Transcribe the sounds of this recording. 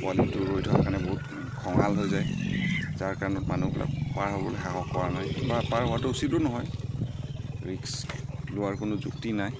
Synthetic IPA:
pɔalintʊɹɹojdʰʱɔakanɛboɦut | kʰɔŋɦalɦojzajzaɹkaɹɔnɔtmanubilʔa̰kpaɹɦɔlbɔ̰lexaɦɔkːɔɹanajkbapaɹɦɔwatʊusidʊnɔɦɔj | ɹikslʊwaɹkʊnʊzṵktinaj

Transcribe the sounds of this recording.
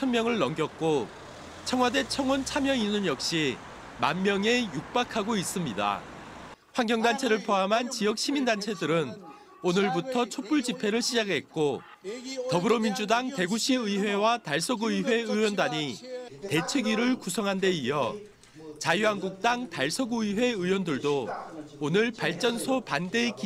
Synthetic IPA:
t͡ɕʰʌnmjʌŋɯɭːʌŋɡjʌk̚k͈o | t͡ɕʰʌŋɦwade̞t͡ɕʰʌŋont͡ɕʰamjʌŋinɯnjʌk̚ɕ͈i | ma̰mːjʌŋe̞juk̚p͈akʰaɡois͈ɯmɲida̰ | ɸwaŋɡjʌŋdant͡ɕʰe̞ɾɯɭpʰoamɦant͡ɕijʌk̚ɕ͈ʰimindant͡ɕʰe̞dɯɾɯn | onɯɭbutʰʌt͡ɕʰop͈uɭd͡ʑipʰe̞ɾɯɭɕʰid͡ʑaɡɦe̞t̚k͈o | tʌbɯɾomind͡ʑudaŋte̞ɡuɕʰiɯiwe̞wataɭsʰʌɡuiwe̞ɯwʌndaɲite̞t͡ɕʰweɡiɾɯɭkusʰʌŋɦande̞iʌ | t͡ɕajuɦanɡuk̚t͈aŋtaɭsʰʌɡuiwe̞ɯwʌndɯɭdoonɯɭpaɭt͡ɕ͈ʌnsʰopande̞k

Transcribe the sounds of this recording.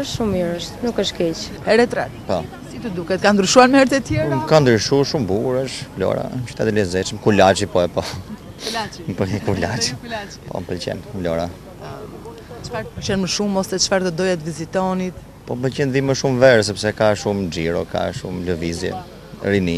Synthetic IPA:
əʃumɔɾəʃt̪nukəʃkɛt͡ʃ | hɛɾɛt̪ɾɛt̪pɔ | sit̪ud̪ukɛt̪̚kand̪ɾyʃuaɾmɛɾt̪ɛt̪jɛɾkand̪ɾiʃuʃumbuɾəʃmlɔ̰ɾa̰ʃt̪ɛt̪lɛzɛt͡ʃmkulat͡ʃipɔɛpɔ | mpəkulat͡ʃi | pɔ̰mpəlcɛ̰nmlɔɾa | t͡ʃfaɾt̪pəlt͡ʃɛnməʃumɔsɛt͡ʃə̥faɾt̪ɔd̪ɔjat̪vizit̪ɔnit̪ | pɔmpəlcɛnðiməʃumvɛɾɛs̬ɛpsɛkaʃumd͡ʒiɾɔka̰ʃṵmləvizjɛ̰ | ɾini

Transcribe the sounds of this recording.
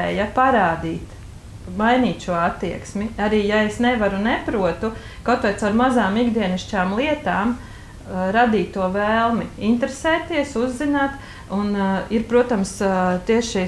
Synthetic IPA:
ɛːjɐpaɾaːd̪iːt̪ | majniːt̪ʃuɔat̪ːiɛksmiaɾiːjaesnɛʋaɾunɛpɾuɔt̪u | kawt̪ʋajt̪saʊɾmazaːmiɡd̪iɛniʃt͡ʃaːmlˠiɛt̪aːm | ɾad̪iːt̪ːuɔʋɛːlˠmiint̪ɾesɛːt̪ːiɛsuzːinaːt̪ | uniɾpɾuɔt̪amst̪iɛʃi

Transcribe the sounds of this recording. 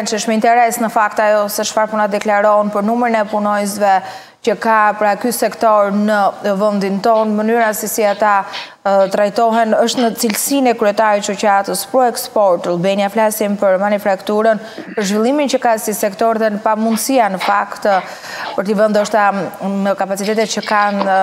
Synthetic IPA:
nt͡ʃəʃməint̪ɛɾɛsnəfakt̪ajɔsɛʃfaɾpunad̪ɛklaɾɔnpəɾnumɾinɛpunɔjsvɛ | cəkapəɾakysɛkt̪ɔɾnəvənd̪int̪ɔnmənyɾasɛsiat̪a | t̪ɾajt̪ɔɦɛnəʃt̪nət͡silsinɛkɾyɛt̪aɾit͡ʃucat̪əspɾɔɛkspɔɾt̪lˠbɛnjaflasimpəɾmanifɾakt̪uɾən | pəɾʒvilˠimincəkasisɛkt̪ɔɾðɛnəpamund̪sianəfakt̪ | pəɾt̪ivɛnd̪ɔʃt̪anəkapat͡sit̪ɛt̪ɛt̪̚t͡ʃəkan

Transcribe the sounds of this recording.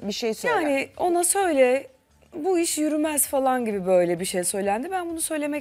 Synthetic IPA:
biʃejsøjaːnɪo̞nasø̞jlʲɛ | buiʃjyɾymæzfalˠanɟibibø̞jlʲɛbiʃejsø̞jlʲænd̪ibænbunusø̞jlʲe̞mɛ

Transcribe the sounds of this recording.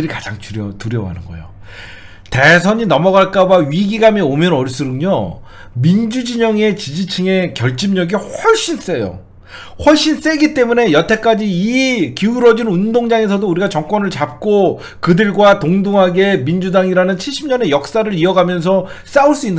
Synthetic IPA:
ɾikad͡ʑaŋuɾʌtuɾjʌwa̰nɯnɡʌ̰jo̰ | te̞sʰʌɲinʌmʌɡaɭk͈abaɥiɡiɡamiomjʌnʌɾis͈ɯɾɯŋɲo | mind͡ʑud͡ʑiɲʌŋe̞t͡ɕid͡ʑit͡ɕʰɯŋe̞kjʌɭt͡ɕ͈imɲʌɡihʌɭɕ͈ins͈e̞jo̰ | hwʌɭɕ͈ins͈e̞ɡit͈e̞mune̞jʌtʰe̞k͈ad͡ʑiːkiuɾʌd͡ʑinundoŋd͡ʑaŋe̞s̬ʰʌdouɾiɡat͡ɕʌŋk͈wʌnɯɭt͡ɕap̚k͈o | kɯdɯɭɡwatoŋdoŋɦaɡe̞mind͡ʑudaŋiɾanɯnt͡ɕʰiɭɕ͈ʰimɲʌne̞jʌk̚s͈aɾɯɾiʌɡamjʌns̬ʰʌ | s͈auɭs͈uinːɯ

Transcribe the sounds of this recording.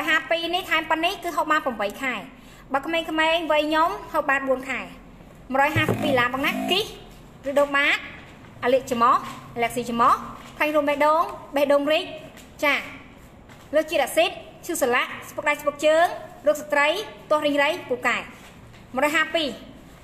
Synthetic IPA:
məɔːjɦaːpiːniht̪ʰaɛmpənːihkɨːɦoːhmaːnprɑmɓəjkʰaɛ | ɓakʰmeːŋkʰmeːŋʋəjɲomhoɓaːt̪̚ɓuənkʰaɛ | mərɔːjɦaːsəpːiːlaːmɓɔŋnaʔkih | rɨːɗoːŋɓaːt̪̚ | ʔaːliəʔt͡ɕamɑhʔalɛək̚siːt͡ɕamɑhkʰlaŋruəmɓɛːʔɗoːŋɓehɗoːŋric̚ | t͡ɕaː | loːht͡ɕiət̪̚ʔaʔsit̪̚ | t͡ɕʰuːsalaʔspok̚ɗajspok̚t͡ɕəːŋroək̚sat̪rəjt̪ŏəhriŋrəjpuːkaɛ | mə̆rɔːjɦaːpiː

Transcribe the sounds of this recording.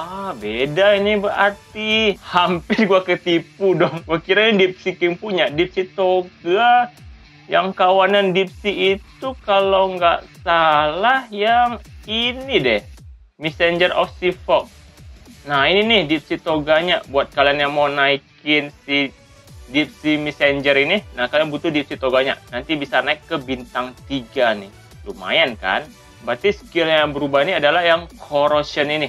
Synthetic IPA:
abedainibəra̰rt̪ihampɪrɡuakət̪ipudɔŋɡuakiɾanadip̚sikiŋpuɲadip̚sit̪oɡa | jaŋkawanandip̚siːt̪ukalawŋɡaʔsalahjaŋinidɛh | misɛɲd͡ʒərɔ̰fsifɔk̚ | nahininɪhdip̚sit̪oɡaɲabuat̪̚kalianjaŋmawnaikɪnsi | dip̚simisɛɲd͡ʒəɾininakaljaŋbut̪ʊhdip̚sit̪oɡaɲa̰nant̪ibisanaɪkːəbint̪aŋt̪iɡanɪh | luma̰janka̰n | bat̪isə̥kɪlɲjaŋbəɾubaɦiniadalahɦjaŋkʰoɾosənini

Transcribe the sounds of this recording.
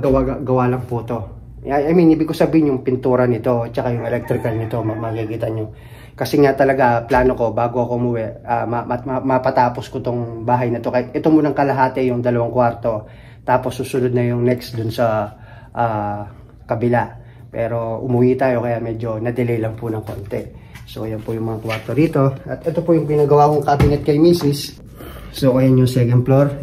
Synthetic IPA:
ɡɐwaɡɐwalɐŋput̪o̞ | ɐjʔɐjminiːbɪɡkosɐbiːhɪnjʊŋpɪnt̪uːɾɐnɪt̪o̞t͡ʃɐkajʊŋɛlɛk̚t̪ɾɪkɐlnɪt̪o̞mɐmɐkikiːt̪ɐɲo | kɐsɛŋat̪ɐlɐɡaplaːno̞ko̞baːɡo̞ʔɐkoʔʊmʊwɛʔʔamɐɐmɐpɐt̪aːposkot̪oŋbaːɦɐjnɐt̪o̞kɐɪt̪ʔɛt̪omʊnɐŋkɐlɐɦaːt̪ɛjʊŋd̪ɐlɐwaŋkwaɾt̪o̞ | t̪aːpo̞sːuːsʊnod̪̚nɐjʊŋnɛksd̪ʊnsɐ | ʔaː | kɐbɪla | pɛ̰ːɾo̞ʔʊmʊwit̪aːjo̞kɐjaʔmɛd͡ʒo̞nɐd̪ɛlɛjlɐŋpʊnɐŋko̞nt̪ɛso̰ʔɐjɐnpʊjʊŋmɐŋakwaɾt̪o̞ɾiːt̪o̞ʔɐt̪ʔɛt̪o̞pujʊŋpɪnaːɡɐwakoŋkɐbɪnɛt̪̚kɐjmiːsɪs | soʔɐjanjʊŋsɛkɐnd̪̚ploɾ

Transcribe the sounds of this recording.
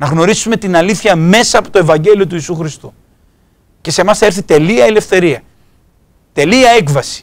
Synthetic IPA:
nɐɣno̞ɾisume̞t̪inɐliθçɐme̞sɐːpo̞t̪o̞e̞vɐɲɟe̞liot̪uiːsuxɾist̪u | ce̞se̞mɐsθeɾθit̪e̞liɐele̞fθe̞ɾiɐ | t̪e̞liɐe̞kvɐsi̥

